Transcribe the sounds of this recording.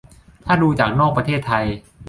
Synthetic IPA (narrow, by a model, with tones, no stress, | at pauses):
t̪ʰaː˥˩duː˧t͡ɕaː˨˩k̚nɔː˥˩k̚pɾa˧t̪ʰeː˥˩t̪ʰːa˧j